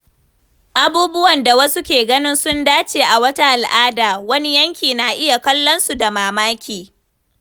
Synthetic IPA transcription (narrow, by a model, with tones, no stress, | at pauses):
ʔa˨buː˦bʊ˦wɐ˨nda˨wɐ˦su˦kʲeː˨ɡɐ˦nɪ˦nsʊ˦ndaː˦t͡ʃeː˨ʔa˨wɐ˦ta˦ʔa˨lʔaː˦daː˨wɐ˦ni˦jɐ˦ŋkʲiː˨na˨ʔɪ˦ja˨kɐ˦lːɔ˦nsu˨da˨maː˨maː˦kʲiː˨